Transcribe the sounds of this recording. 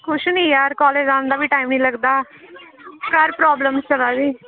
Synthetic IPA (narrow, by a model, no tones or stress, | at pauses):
kʰʊʃnĩːjaːɾkɔːleːd͡ʒãːnd̪aːbiːʈaːimnĩːləɡd̪aː | kəɾpɾaːbləmst͡ʃəlaːdiː